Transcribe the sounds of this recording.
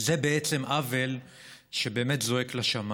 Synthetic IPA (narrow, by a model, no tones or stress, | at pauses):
zebe̞et͡se̞mʔavel | ʃebe̞ːmetzo̞eklaʃam